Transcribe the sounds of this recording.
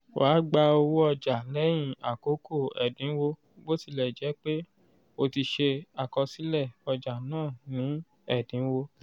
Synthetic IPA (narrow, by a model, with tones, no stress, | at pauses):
waː˨˦ɡ͡ba˧o˧wu˦ɔ˧d͡ʒa˨lɛ˨˦j̃ĩ˦˨a˨ko˨˦ko˦˨ɛ̰˨dĩ˨˦wo˧ | bo˦si˧˨lɛ˨d͡ʒɛ˨˦k͡pe˦ | o˧ti˧ʃe˧a˨kɔ˧si˨˦lɛ˦˨ɔ˧d͡ʒa˨nãː˦˨nĩ˨˦ | ɛ˦˨dĩ˨˦wo˧